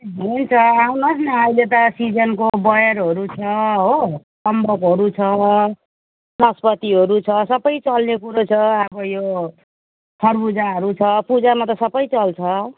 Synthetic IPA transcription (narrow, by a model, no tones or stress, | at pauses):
ɦent͡sʰʌawnʌsnʌajlet̪ʌsid͡zʌnkobʌjʌɾɦʌɾut͡sʰʌɦosʌmbʌkɦʌɾut͡sʰʌ | nʌspʌt̪iɦʌɾut͡sʰʌsʌbʌjt͡sʌlnekuɾʌt͡sʰʌʌbʌjo | pʰʌrbud͡zaɦʌɾut͡sʰʌpud͡zamat̪ʌsʌbʌjt͡sʌlt͡sʰʌ